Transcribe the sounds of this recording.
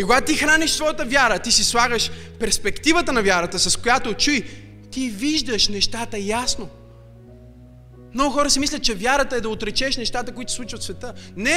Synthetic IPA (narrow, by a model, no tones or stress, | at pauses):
ikoɡat̪ixɾaniʃsvɔjət̪əvjaɾət̪isislˠaɡəʃpɛɾspɛkt̪ivət̪ənɐvʲjaɾət̪əsɐskojat̪ot͡ʃuj | t̪iviʒd̪əʃnɛʃt̪at̪əjasno | mnɔɡʊxɔɾəsimislʲət̪̚t͡ʃɛvjaɾət̪əɛd̪ɐot̪ɾɛt͡ʃɛʃnɛʃt̪at̪əkoit̪o̥sˠut͡ʃivət̪svɛt̪ənɛ